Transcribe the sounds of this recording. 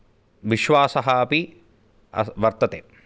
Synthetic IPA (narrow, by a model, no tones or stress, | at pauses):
ʋiʃʋaːsɐɦɐɐpi | ɐ̰ʋɐɾt̪ɐt̪ḛː